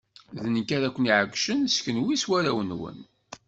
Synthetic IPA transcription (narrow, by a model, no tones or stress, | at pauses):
ðnəkːæɾækʷəniʕəɡʷʃənskənwiswæɾæwənwə̰n